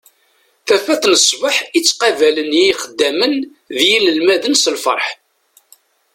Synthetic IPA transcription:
θæfæθnəsˤbəħit͡sːqɑvælənjiχəd̪ːæmən | ðjiləlmæðənsəlfə̰ɾˤħ

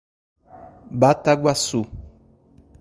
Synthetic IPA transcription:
bataɡwasu

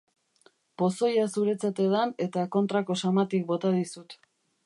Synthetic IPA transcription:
po̞so̞jasuɾe̞t͡sat̪e̞ðane̞t̪ako̞nt̪ɾako̞samat̪ik̚bo̞t̪aðisut̪

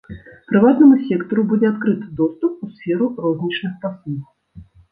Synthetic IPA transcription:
pɾɨvat̪nɐmusʲɛkt̪ɔɾubud͡zʲɛat̪kɾɨt̪ɨd̪ɔst̪up̚usfʲɛɾurɔzʲnʲit͡ʂnɨxpasu

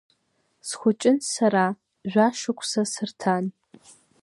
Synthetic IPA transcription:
sxʷʊt͡ʃʼɪnsɐɾaː | ʒʷaːʃɨkʷʰʼsɐsɨrtʰaːn

